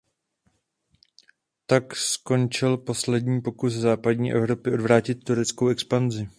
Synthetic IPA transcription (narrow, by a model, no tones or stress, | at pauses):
t̪aksko̞nt͡ʃɪlpo̞slɛdɲiːpo̞kuszaːpad̚ɲiːʔɛ̰vɾo̞pɪʔo̞dvɾaːcɪt̪̚ːuɾɛt͡sko̞wɛkspanzɪ